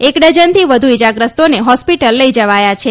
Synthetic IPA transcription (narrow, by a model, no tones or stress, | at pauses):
ekɖəd͡ʒənt̪ʰiʋəd̪ʱuid͡ʒaɡɾəst̪oneɦɔspiʈəlːəid͡ʒəʋajat͡ʃʰe